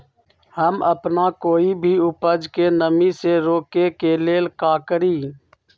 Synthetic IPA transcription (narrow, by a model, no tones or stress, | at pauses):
həməpnakoːibʱiːʊpəd͡ʒkenəmiseɾoːkekeleːlkaːkəɾiː